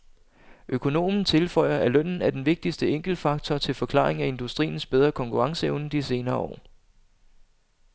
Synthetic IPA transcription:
ʔøkʰo̝no̝̰ːmn̩t͡sʰe̝lfɒ̽ɪ̰ɐʔælœn̰n̩æd̥enʋe̝ɡ̥̚d̥isd̥əeŋ̰ɡ̥l̩fɑ̈ɡ̥̚t͡sʰɒt͡sʰe̝lfɒ̽kʰlɑ̈ːʁeŋæe̝nd̥usd̥ʁḭːn̩sb̥eð̞ˠʁɐkʰɒ̽ŋkʰuʁɑ̈ŋsəeʊnəd̥ise̝ːnɐːɒ̰ː

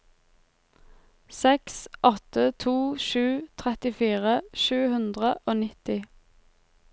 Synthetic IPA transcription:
sɛksʔɔt̪ət̪ʰuːʃʉːt̪ʰʁɛt̪ɪfiːʁəʃʉːhʉnd̪ʁəʔoːnɪt̪ɪ

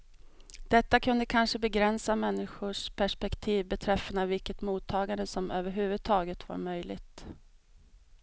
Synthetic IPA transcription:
d̪̥ɛt̪ːakʰɵnd̪əkʰanʂəbɛɡɾɛnsamɛnːɪɧʊʂpʰæʂpɛkt̪ʰiːvbɛt̪ʰɾɛfːənavɪlkət̪muːt̪ʰːɑːɡand̪əsɔmøːvəɾɦʉ̟ːvɵd̪̚t̪ʰɑːɡət̪va̰ɾmœjlɪ̰ɡt̪

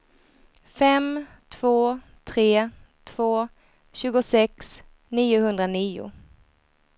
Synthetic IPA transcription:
fɛm | t̪ʰv̥oː | t̪ʰɾeːt̪ʰv̥oː | ɕʉ̟ːɡʊsɛks | niːʊhɵnd̪ɾaniːʊ̰

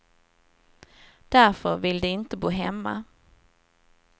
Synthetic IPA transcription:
d̪̥æɾfœɾvɪld̪ɵɪnt̪əboːɦɛmːa̰

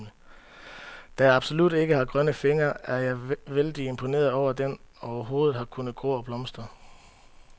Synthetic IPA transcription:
nə | d̥æjɑɑ̈b̥so̝lud̥e̝ɡ̥əhɑ̈ɡ̥ʁɶnəfe̝ŋɐæɐjɑ̈ɪʋeld̥ie̝mpʰo̝ne̝̰ːɐð̞̩ˠɒʊ̰ɐd̥en | ɒʊɐɦo̝ːð̩ˠhɑ̈kʰunəð̩ˠɡ̥o̰ːɒ̽b̥lɒ̽msd̥ʁɐ

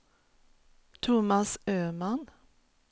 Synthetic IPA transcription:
t̪ʰʊmɑsøːmɑn

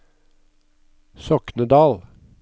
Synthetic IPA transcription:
sɔknəd̪ɑːl

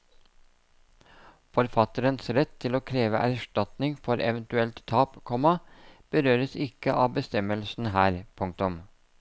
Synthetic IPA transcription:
fɔɾfɑt̪əɾənsɾɛt̪ʰːɪloːkʰɾeːʋəʔæɾʂʈɑt̪nɪŋfɔɾʔɛ̰ʋənt̪ʉɛlt̪t̪ʰːɑːpkʰɔmɑb̥əɾøːɾəsɪkəʔɑːʋbəst̪ɛməlsn̩ɦæːɾpʰʊŋk̚t̪ʊm

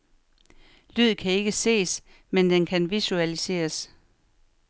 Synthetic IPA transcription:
lyð̞̰ˠkʰæe̝ɡ̥əse̝̰ːs | mend̥enkʰænʋisuælise̝̰ːɐs

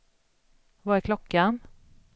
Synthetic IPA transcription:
vɑːæɾkʰlɔkːan

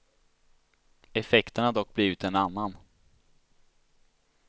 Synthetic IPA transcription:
ɛfɛkt̪əɳad̪ɔk̚ːbliːvɪt̪ɛnanːan

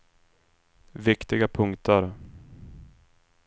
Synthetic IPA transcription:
vɪkt̪ɪɡapʰɵŋkt̪ʰəɾ

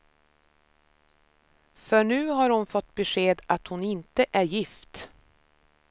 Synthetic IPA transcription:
fœɳʉ̟ːhaɾhʊnfɔt̪ːbɛʂeːd̪at̪hʊnɪnt̪əʔæɾjɪft̪

